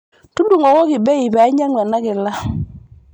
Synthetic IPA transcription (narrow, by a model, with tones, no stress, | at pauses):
tu˦ndu˨ŋɔ˨kɔ˦kɪ˨bɛ˦i˨bɛ˨˦ɲa˦ŋwɛ˨na˦kɪ˨la˦